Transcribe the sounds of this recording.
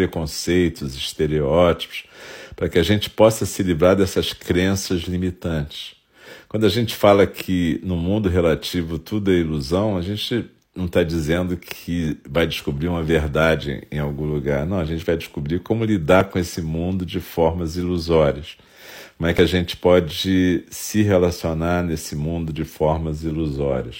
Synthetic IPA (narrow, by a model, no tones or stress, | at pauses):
ɾekõsejt̪ʊziʃt̪eɾeɔt͡ʃi̥pʊ̥spɾɐkɪaʒẽnt͡ʃɪ̥pɔsɐsɪlivɾaɾd̪ɛsɐskɾẽsɐzlimit̪ɐ̃nt͡ʃɪ̥s | kwɐ̃d̪ʊaʒẽnt͡ʃɪ̥falɐkʰɪnʊmũnd̪ʊɦelat͡ʃivʊt̪ud̪ʊɐiluzɐ̃w̃ɐʒẽnt͡ʃɪ | nɐ̃w̃t̪ad͡ʒizẽnd̪ʊkʰɪvajd͡ʒɪʃkubɾiũmɐveɾd̪ad͡ʒɪ̰ḛ̃j̃awɡũluɡaɾnɐ̃w̃ɐʒẽnt͡ʃɪvajd͡ʒɪʃkubɾikõmʊlid̪aɾkõesɪmũnd̪ʊd͡ʒɪfɔɾmɐziluzɔɾiɐs | kõmʊɛkɪaʒẽnt͡ʃɪ̥pɔd͡ʒɪsɪɦelasionaɾnesɪmũnd̪ʊd͡ʒɪfɔɾmɐziluzɔɾiɐs